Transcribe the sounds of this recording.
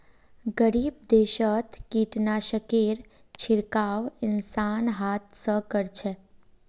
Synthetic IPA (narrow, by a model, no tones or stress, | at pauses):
ɡəɾiːb̚d̪eːʃət̪ʰkiːʈnaʃəkeːɾ | t͡ʃʰɪɾkaːʋɪnsaːnɦaːt̪səkəɾt͡ʃʰe